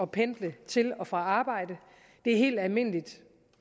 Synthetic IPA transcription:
ɒ̽pʰend̥lət͡sʰe̝lɒ̽fʁɑ̈ɑ̈ːb̥ɑ̈ɪ̰d̥ə | d̥e̝æɐɦe̝̰ːld̥ælme̝n̰lid̥

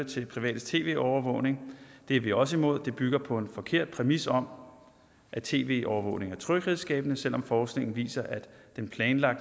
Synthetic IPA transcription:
ət͡sʰe̝pʰʁiʋɛ̰ːd̥ət͡sʰe̝̰ːʋe̝̰ːɒʊɐʋɔ̽ʊne̝ŋd̥e̝ɐʋiɒ̽s̬əimo̝ð̞̰ˠd̥e̝b̥yɡ̥ɐpʰɒ̽e̝nfɒ̽kʰe̝ɐ̰d̥̚pʰʁɛmisɒ̽m | ʔæt͡sʰe̝̰ːʋe̝̰ːʔɒʊɐʋɔ̽ʊne̝ŋæɐt͡sʰʁœɡ̥ʁiðˠsɡ̥ɛ̰ːb̥nəsel̰ɒ̽mfɒːsɡ̥ne̝ŋn̩ʋḭːsɐʔæd̥d̥enpʰlɛːnlɑ̈ɡ̥̚d̥

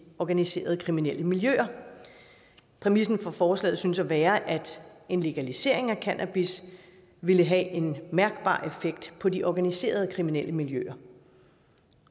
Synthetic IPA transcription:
ɒɡ̥ænise̝̰ːɐð̞ˠəkʰʁiminel̰əmiljø̰ːɐ | pʰʁɛmisn̩fɒ̽fɒːslɛ̰ːð̩ˠsynsɒʋæːɐʔæd̥e̝nle̝ɡ̥ælise̝ɐ̰e̝ŋækʰænʔæb̥is | ʋe̝ləɦɛʔe̝nmæɐɡ̥b̥ɑ̰̈ːʔe̝feɡ̥d̥pʰɒ̽diʔɒɡ̥ænise̝̰ːɐð̞ˠkʰʁiminel̰əmiljø̰ɐ

